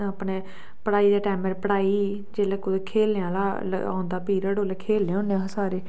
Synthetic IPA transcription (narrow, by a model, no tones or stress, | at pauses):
apɳeː | pəɽaːiːd̪eːʈɛːməɾpəɽaːiː | d͡ʒeːləkod̪ekʰeːljãːlaːl̰ã̰ːʊnd̪aːpiːɾəɽoːlekʰeːlãːʊnːeãːsaːɾeː